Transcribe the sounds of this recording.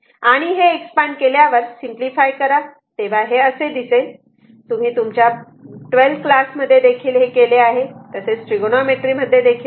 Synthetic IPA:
aɽ̃iɦeːkspaɳɖkeljaʋəɾsimplifajkəɾa | t̪eʋ̤aɦeəsed̪ise | t̪um̤iːt̪umt͡ɕja | ʈʋelt̪klasməd̪ʱːjed̪ekʰiːlɦekeleaɦet̪əset͡sʈɾiɡonomeʈɾiːməd̪ʱːjed̪ekʰiːl

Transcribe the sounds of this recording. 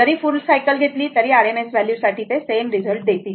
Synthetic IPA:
əɾiːfulsajkəlɡʱet̪liːt̪əɾiːaɾemesʋæljuɾsaʈʰiːt̪esenɾid͡zəlʈ̚d̪et̪iː

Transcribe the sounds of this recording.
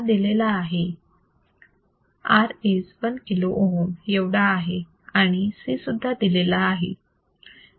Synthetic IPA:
d̪ilelaːɦe | aɾesʋənkiloʔonjeʋɽaːɦe | aɽ̃isisud̪ʱːad̪ilelaːɦḛ

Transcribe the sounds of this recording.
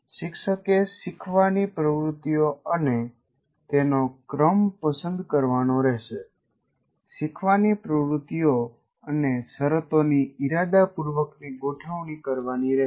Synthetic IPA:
ʃɪkʰʃəkeʃɪkʰʋanipɾəʋɾut̪ːijoəne | t̪enokɾəmpəsə̃nd̪kəɾʋanoɾɛɦʃe | ʃɪkʰʋanipɾəʋɾut̪ːijo | ənesəɾət̪oniɪɾad̪apuɾʋəkniɡoʈʰəʋɳ̃ikəɾʋaniɾɛɦ

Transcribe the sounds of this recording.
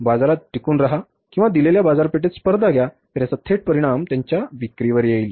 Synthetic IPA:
bad͡zaɾat̪̚ɖʱikuːnɾaɦa | kĩw̃ʋad̪ileljabad͡zaɾpeʈ̬et̪spəɾd̪ʱaɡʱjat̪ɾjasat̪ʰːeʈ̚pəɾiɽ̃amt̪jaɲt͡ɕjaʋikɾiʋəɾjeiːl

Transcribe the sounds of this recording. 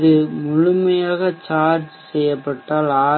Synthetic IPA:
ðɯmʊɻʊmɐjaːɣɐt͡ʃaːɾd͡ʒsɛjːɐpːɐʈːaːlaː

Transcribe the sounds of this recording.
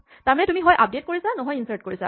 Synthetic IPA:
taɹmanɛtumiɦɔjʔap̚det̚koɹisanɔɦɔjinsaɹt̚koɹisa̰

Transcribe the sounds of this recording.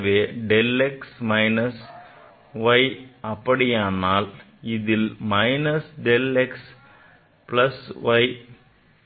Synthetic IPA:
ʋeːɖeleksmɐjnɐs | ʋɐjɐpːɐɽijaːɳːaːl | iðilmɐjnɐsɖeleks | plɐsʋɐj

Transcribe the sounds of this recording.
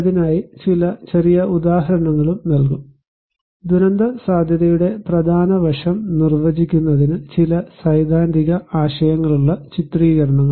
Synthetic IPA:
ɐðinaːjit͡ɕilɐt͡ɕɐrijɐud̪aːɦɐɾɐɳɐŋːɐɭumnɐlk̬um | d̪uɾɐnd̪ɐsaːd̪ʱjɐðɐjuɽe̞prɐd̪ʱaːnɐʋɐʂɐmnirʋɐd͡ʑikʲːunːɐðinɨt͡ɕilɐsɐjd̪ʱaːnd̪ʱiɣɐaːɕɐjɐŋːɐɭuɭːɐt͡ɕit̪riːɣɐɾɐɳɐŋːɐ

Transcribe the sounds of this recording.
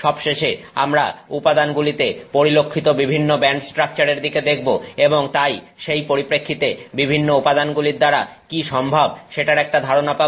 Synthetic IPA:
ʃɔbʃeʃea̰mɾa̰upad̪anɡulit̪epoɾilokʰːit̪obibʱinːobɛɳʈsʈɾak̚t͡ɕaɾeɾd̪iked̪ek̚ʰboeboŋt̪aj | ʃejpoɾipɾekʰːit̪ebibʱinːoupad̪anɡuliɾd̪aɾakiʃɔmbʱabʃeʈaɾɛk̚ʈad̪ʱaɾonapa

